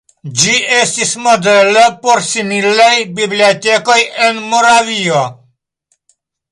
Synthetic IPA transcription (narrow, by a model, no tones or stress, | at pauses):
d͡ʒiʔest̪ismod̪elopoɾsimilajbibliot̪ekojenmoɾavio